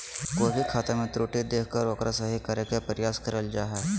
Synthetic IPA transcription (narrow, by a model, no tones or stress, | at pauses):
koːbʱikʰaːt̪amẽt̪ɾoːʈid̪eːkʰkəɾʋɐkɾasɐɦikɐɾekepəɾɪjaːskɐɾəld͡ʒaːɦɛ